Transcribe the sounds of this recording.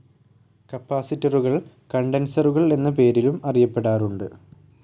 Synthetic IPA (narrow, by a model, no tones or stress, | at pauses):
kɐpːaːsitːɐruɣɐɭ | kɐɳɖensɐruɣɐɭe̞nːɐp̬e̞ːɾilumɐrijɐpːe̞ɽaːruɳɖɨ